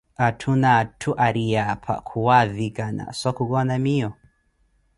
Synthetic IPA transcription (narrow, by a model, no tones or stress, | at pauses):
atʰunatʰuʔaɾijapʰa̰kʰuwaðikana̰sɔkuɡɔnamiɔ